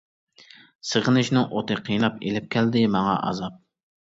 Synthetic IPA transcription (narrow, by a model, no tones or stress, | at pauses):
səʁənɨʃnɪŋʔot̪ʰɨqʰijnɑpḛlɪp̚kʲʰɛld̪ɪmɑŋɑ̰ʔɑ̰zɑp̚